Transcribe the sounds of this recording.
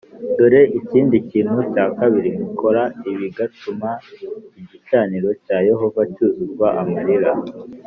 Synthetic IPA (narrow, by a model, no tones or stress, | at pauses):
duɾe̞ʔiciːndiciːnhucaːkaβiɾimukʰo̞ɾaiβiɡatumaiɟit͡ʃaːniɾo̞caːje̞ɦo̞vacuzuɾɡwaʔamaɾiɾa